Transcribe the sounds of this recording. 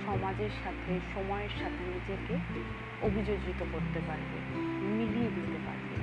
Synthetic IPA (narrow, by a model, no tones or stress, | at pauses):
ʃɔmad͡ʑeɾʃat̪ʰeʃɔmɔeeɾʃat̪ʰenid͡ʑeke | obʱid͡ʑod͡ʑit̪okoɾt̪epaɾbḛ | milieb̪ʱet̪epa̰ɾbḛ